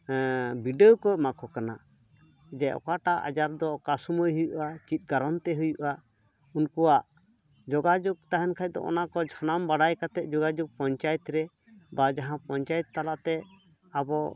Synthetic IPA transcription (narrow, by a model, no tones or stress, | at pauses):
biɖekɔmakʰɔkana | d͡ʒɛɔ̰kaʈaʔa̰d͡ʒaɾd̪ɔkasumɔjɦujuʔat͡ʃit̪̚ˀɡaɾɔnt̪ɛɦujuʔa | unkɔwaʔ | d͡ʒɔɡad͡ʒɔk̚t̪aɦɛnkʰaj̚d̪ɔ̰ʔɔ̰nakɔd͡ʒʱanambaɽajkat̪ɛʔ̪̚ˀd͡ʒɔɡad͡ʒɔk̚pɔɲt͡ʃajɛt̪ɾɛ | bad͡ʒaɦãpɔɲt͡ʃajɛt̪ːalaʔt̪ɛ | abɔ